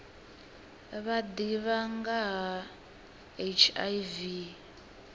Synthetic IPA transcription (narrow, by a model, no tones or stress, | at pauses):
βadiβaŋɡaɦa | et͡ʃʰajvi